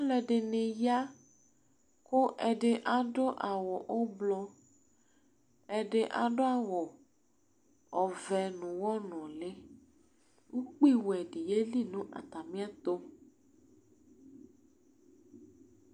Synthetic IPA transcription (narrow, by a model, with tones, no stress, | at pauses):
a˦lɛ˨ɖe˨nẽ˨ja˦ | ko˦ʔɛ˨ɖe˨ʔa˨ɖo˦ʔa˨wɔ˨ʔo˦blɔ˦ | ɛ˨ɖe˨ʔa̰˨ɖo˦a˨wɔ˨ | ɔ˨vɛ˨nũ˨wɔ˦nɔ̃˨le˦ | wu˦k͡pi˦wɛ˨ɖi˨je˦li˦˨nũ˦ʔa̰˨t̪a˨mĩ˦a˦t̪o˦